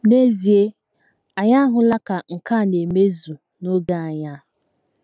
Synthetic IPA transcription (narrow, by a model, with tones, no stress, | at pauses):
ne˦zi˨e˦ | a˨ɲa˦ɦʊ˨la˦ka˨ŋ̩˨ka˦˨ne˨me˦zu˨ | no˦ɡa˦a˨ɲa˦